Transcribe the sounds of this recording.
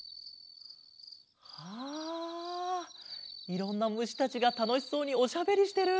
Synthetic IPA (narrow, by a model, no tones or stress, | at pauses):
ha | iɾõ̞nːamɯ̟ɕi̥t̪at͡ɕiɡat̪ano̞çʲi̥so̞ːɲ̟io̞ɕabe̞ɾʲiɕi̥t̪e̞ɾɯ̟